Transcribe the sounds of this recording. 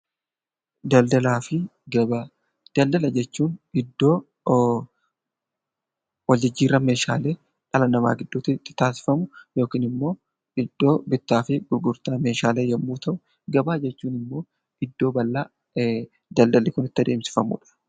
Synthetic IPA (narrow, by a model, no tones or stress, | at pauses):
d̪ɐld̪ɐlaːfɪɡɐba | d̪̥ɐld̪ɐlɐd͡ʒɛt͡ʃːuːnɪd̪ːo̞ː | wɐld͡ʒɪd͡ʒːiːrːɐme̞ːʃa̰ːle̞ː | ᶑɐlɐnɐma̰ːɡɪd̪ːuːt̪ːɪt̪ːɪ̥t̪aːsɪ̥fɐmʊjo̞ːkiːnɪmːo̞ː | ɪd̪ːoːbɪt̪ːaːfɪɡʊɾɡʊɾt̪aːme̞ːʃaːleːjɛmːuːt̪ɐʔʊ | ɡɐbaːd͡ʒɛt͡ʃːuːnɪmːo̞ː | ʔɪd̪ːo̞ːbɐlːaː | d̪ɐld̪ɐlːɪkʊnɪt̪ːɐd̪e̞ːmsɪ̥fɐmṵːᶑɐ̥